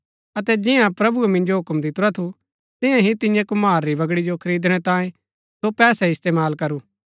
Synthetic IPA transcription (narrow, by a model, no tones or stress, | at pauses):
ɐt̪ɛd͡ʒɪjãpɾɐbuemɪ̃nd͡ʒoɦʊkmd̪ɪt̪ɾat̪ʰu | t̪ɪ̃jãɦit̪ɪ̃jãkʊmaːɾːibɐɡɽid͡ʒokʰɐɾiːd̪ɽ̃ɛt̪ãːẽ | sopɛːsɛɪst̪eːmaːlkɐɾuː